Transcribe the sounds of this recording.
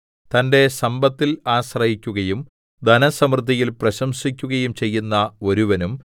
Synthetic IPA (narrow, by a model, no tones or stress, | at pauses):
t̪ɐnde̞sɐmbɐt̪ːilaːɕrɐjikʲːuɣɐjum | d̪ɐnɐsɐmrd̪ʱijilprɐɕɐmsikʲːuɣɐjumt͡ɕe̞jːunːɐo̞ɾuʋɐnum